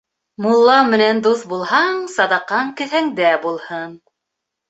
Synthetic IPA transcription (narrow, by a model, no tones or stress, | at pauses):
mulˠːɑmɘ̆nænd̪uθbulˠhɑɴsɑd̪ɑqɑɴkɘ̆θæŋd̪æbulˠhɤn